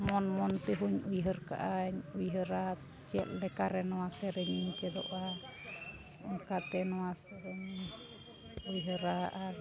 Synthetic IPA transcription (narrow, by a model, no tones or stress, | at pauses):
mɔnmɔnt̪ɛɦuɲujɦəɾka̰ʔaɲujɦəɾa | t͡ʃɛt̪̚lɛkaɾɛnɔwasɛɾɛɲit͡ʃɛd̪ɔ̰ʔa | ɔŋkat̪ɛnɔwasɛɾɛɲ | ujɦəɾaʔa